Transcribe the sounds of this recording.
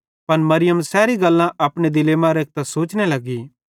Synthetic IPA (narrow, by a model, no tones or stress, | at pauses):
pɐnmɐɾɪjəmsɛːɾiɡɐlːãʔɐpɽ̃ed̪ɪleːmãɾeːk̚t̪ɛsoːt͡ʃnelɐɡi